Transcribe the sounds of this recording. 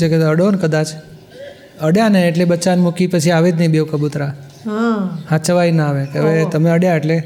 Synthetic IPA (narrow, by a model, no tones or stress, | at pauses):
ekeəɽonkəd̪at͡ʃ | əɽjaneːʈlebət͡ʃanmukipət͡ʃʰiaʋet̪nəibewkəbut̪ɾa | ahat͡ʃəʋajnəaʋekeəʋet̪əmeəɽjaeʈle